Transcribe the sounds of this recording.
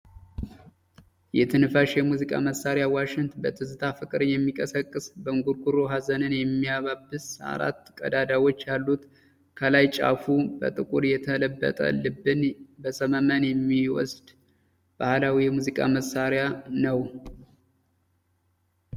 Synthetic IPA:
jɛt̪ʰɨnfaʃjɛmuzikʼa̰məsːaɾjawaʃɪnt̪bət̪ʰɨzɨt̪ʰafɨkʼɨɾɨnjɛmːikʼəsəkʼːɨsbəŋɡuɾɡuɾoɦazənɨnjɛmːiaβabːɨsa̰ɾa̰t̪ːkʼə̰d̪ad̪awo̞t͡ʃːjalːut̪ | kʰəlajt͡ʃʼa̰fubə̰t̪ʼɨkʼuɾjɛt̪ʰələbːə̰t̪ʼə̰lːɨbːɨnbəsəməmənjɛmːiwɔ̰sd̪̥ | b̥ahlawijɛmuzikʼa̰məsːaɾjanəw

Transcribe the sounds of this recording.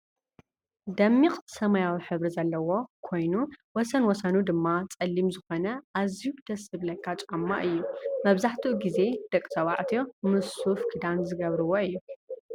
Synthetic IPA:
d̪ɐmːiqʼsɐmɐjawiħɨβɾizɐlːɐwo̞kʰo̞jnuwɔsɐnwɔsɐnud̪ɨmːat͡sʼɐlːimzɨxo̞nɐʔazijud̪̥ɐsɨβlɐkʰːat͡ʃʼamːa̰ʔɨjːumɐβzaħt̪ʰɨʔuɡize̞d̪̥ɐkʼːsɐwaʕt̪ʰijomɨsufkʰɨd̪anzɨɡɐβɾɨwoɨjːu

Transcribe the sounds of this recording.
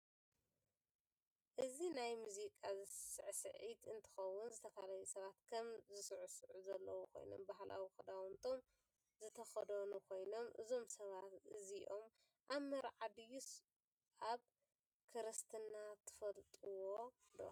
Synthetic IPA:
ʔɨzinajmuzikʼazɨsɨʕsɨ̰ʕit̪ɨnt̪ʰɨ̥xɐwʊnzɨt̪ʰɐfalɐjusɐβat̪kʰɐmzɨsɨʕusɨʕuzɐlːɐwukʰo̰jno̰mbaɦla̰wixɨd̪awnt̪ʰo̞m | zɨt̪ʰɐxɐd̪ɐnukʰo̞jno̞mʔɨ̰zo̞msɐβat̪ɨziʔo̞m | ʔaβmɐɾʕad̪ijus | ʔaβ | kʰɨɾɨst̪ʰɨnat̪ʰɨ̥fɐlt̪ʼuwo | d̪o̰

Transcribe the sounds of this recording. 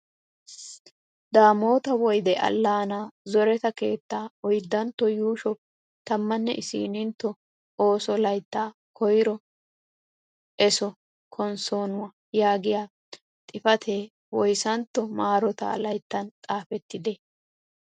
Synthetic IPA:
d̪aːmo̞ːt̪ɐwɔjd̪ɛʔɐ̰lːaːnaːzɔɾɛt̪ɐke̞ːt̪ːaːɔjd̪ːɐnt̪ːɔjuːʃɔ | t̪ɐmːɐnːɛ̰ʔɪsḭːnɪnt̪ːɔ | o̞ːsɔlɐjt̪ːaː | kʰɔjɾɔ | ʔɛsɔ | kʰɔnso̞ːnʊwa | jaːɡɪjaː | t̪ʼɪfɐt̪ʰeː | wɔjsɐnt̪ːɔmaːɾɔt̪a̰ːlɐjt̪ːɐnt̪ʼaːfɛt̪ːɪd̪ɛ

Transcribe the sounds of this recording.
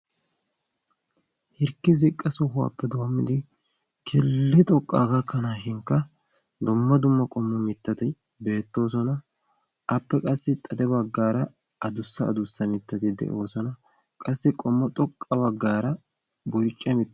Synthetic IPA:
hɪɾkːɪzɪkʼːɐsʊɦʊwa̰pːɛd̪oːmːɪd̪ɪ | kʰɛlːɪt̪ʼɔkʼːa̰ːɡɐkːɐnaːʃɪŋkːɐ | d̪ʊmːɐd̪ʊmːɐkʼɔmːɔmɪt̪ːɐt̪ɛj | be̞ːt̪ːo̞ːs̬ɔnɐ | ɐpːɛkʼɐsːɪt̪ʼɐd̪ɛbɐɡːaːɾɐ | ɐd̪ʊsːɐ̰ːd̪ʊsːɐmɪt̪ːɐt̪ɪd̪ɛ̰ʔo̞ːsɔnɐ | kʼɐsːɪkʼɔmːɔt̪ʼɔkʼːɐβɐɡːaːɾɐ | bʊjt͡ʃʼːɐmɪt̪

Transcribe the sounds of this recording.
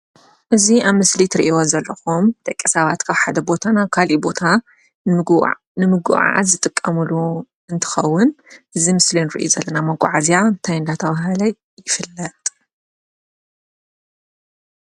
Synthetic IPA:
ʔɨziʔaβmɨslit̪ɾḭʔozɐlːɐxumt̪ʼɐkʼːisɐβat̪kʰaβħad̪ɐbo̞t̪ʰanakʰalibo̞t̪ʰa | nɨɨ | nɨmɨɡṵʕa̰ʕa̰zɨt̪ʼɨkʼːɐmɨlu | ɨnt̪ʰɨ̥xɐwːʊnʔɨzimɨslinɾḭʔjuzɐlːɐnamɐɡʷʼa̰ʕazijaɨnt̪ʰajɨnd̪at̪ʰɐβaɦɨlɐ | jɪfɨlːɐt̪ʼ

